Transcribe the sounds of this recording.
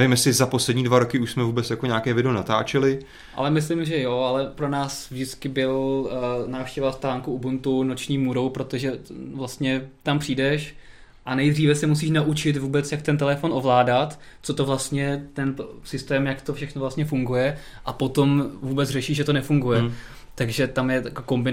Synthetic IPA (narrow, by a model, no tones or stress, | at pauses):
nɛvimjɛsɪzaposlɛdɲiːdvaɾokɪuʃsmɛvuːbɛt͡sjako̞ɲaːkɛːvɪdɛonat̪a̰ːt͡ʃɛlɪ | ʔa̰lɛmɪslɪmʒɛjo̞alɛpɾo̞naːsvʒdɪt͡skɪbɪl | naːfʃcɛvast̪aːŋkuubunt̪uno̞t͡ʃɲiːmuɾowpɾo̞t̪oʒɛvlast̪ɲɛt̪ampr̝̥iːdɛʃ | ʔanɛjd̪r̝iːvɛsɛmus̬iːʃnaʔut͡ʃɪt̪vuːbɛt͡sjak̚t̪ɛnt̪ɛlɛfo̞nʔovlaːdat̪ | t͡so̞t̪ovlast̪ɲɛt̪ɛnt̪osɪst̪ɛːmjakt̪ofʃɛxnolast̪ɲɛfuŋɡujɛ | ʔapo̞t̪omvuːbɛt͡srɛʃiːʒɛt̪o̞nɛfuŋɡujɛ | t̪aɡʒɛt̪amjɛjakoko̞mbɪ